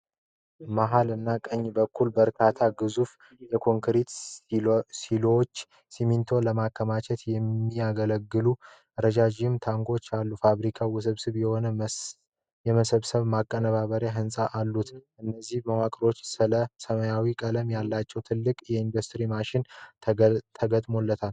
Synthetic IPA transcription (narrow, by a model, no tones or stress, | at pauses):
maɦalɨnːakʼəɲːbəkʰːulbəɾkʰat̪ʰaɡɨzuf | jɛkʰo̞ŋkʰɾit̪ | silot͡ʃː | simint̪ʰo̞ləmakːəmat͡ʃʰɛt̪jɛmːijaɡələɡːɨlu | ɾəd͡ʒad͡ʒiɨmt̪ʰaŋɡo̞t͡ʃːalːufaβɾikʰawʊs̬ɨβsɨβjɛho̞nə | jɛməsəβsəβmakʼːənəβaβəɾjaɦɨnsʼaʔalːut̪ʔɨnːəzːihməwakʼɾo̞t͡ʃːsɨləsəməjawikʼələmjalːat͡ʃːɛwt̪ʰɨlːɨkʼjɛind̪ost̪ʰɾimaʃɪnʰ | t̪ʰəɡət̪ʼmo̞lːət̪ʰal